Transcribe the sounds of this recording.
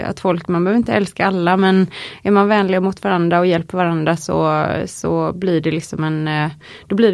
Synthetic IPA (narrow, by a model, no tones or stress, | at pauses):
a̰t̪fɔlkmanbœːvəɾɪnt̪əɛlskaalːamɛnæɾmanvɛːnlɪɡamʊt̪vaɾand̪ɾaɔjɛlpəvaɾand̪ɾasɔ̰sɔ̰blɪɖɛlɪksɔmɛn | d̪̥ɔblɪː